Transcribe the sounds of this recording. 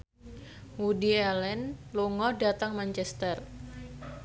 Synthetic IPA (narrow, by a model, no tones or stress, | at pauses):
wudialɛnluŋɔdat̪aŋmaɲt͡ʃɛst̪ɛr